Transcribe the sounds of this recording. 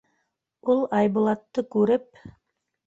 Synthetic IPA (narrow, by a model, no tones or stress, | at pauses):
ulˠɑjbŭlˠɑt̪ːɤkʉɾɘp̚